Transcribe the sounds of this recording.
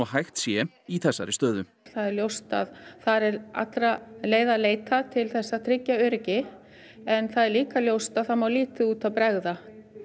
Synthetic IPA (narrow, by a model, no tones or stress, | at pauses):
ɔɦajxt̪sjɛ | iθɛsːa̰ɾɪst̪œːðʏ | θaðɛɾljowst̪a̰ðθaɾɛɾa̰t̪ɾaleːjðaleːjt̪at̪ʰɪlθɛsːat̪ʰɾɪcːaʏɾcɪ | ɛnθaðɛɾliːkaljowst̪aðθaðmawliːt̪ɪuːt̪aðpɾɛɣða